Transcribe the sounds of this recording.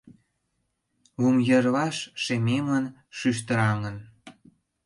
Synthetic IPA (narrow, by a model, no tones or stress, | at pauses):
βumjə̆rlɑʃʃememən | ʃyʃ̬t̪ə̆ɾɑŋən